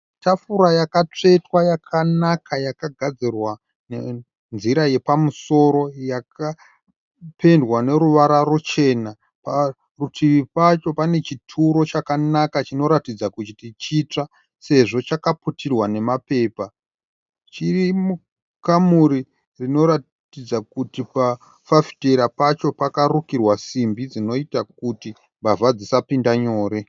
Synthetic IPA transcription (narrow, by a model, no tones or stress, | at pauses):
tafuɾajakat͡ʂe̞twajakʰanakʰajakaɡʱad͡zirwa | ne | nziɾaje̞pamuso̞ɾo̞jaka | pʰe̞ndwane̞ɾuʋaɾarot͡ʃe̞na | pa | rutʰiʋipat͡ʃo̞pane̞t͡ʃitʰuɾo̞t͡ʃakanakat͡ʃino̞ɾatid͡zakut͡ʃitit͡ʃit͡ʂa | se̞ʐo̞t͡ʃakaputʰirwane̞mape̞ːpa | t͡ʃirimu | kamuɾi | rino̞ɾa | tid͡zakutipa | fafi̥teɾapat͡ʃo̞pakarukirwasimbid͡zino̞itak̚uti | mbavad͡zisapindaɲo̞ːɾe̞